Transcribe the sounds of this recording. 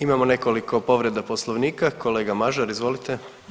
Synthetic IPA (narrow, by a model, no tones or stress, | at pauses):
imamo̞ne̞ko̞liko̞po̞ʋɾe̞d̪aposlˠoʋniːkako̞leːɡamaʒaɾizʋo̞lit̪e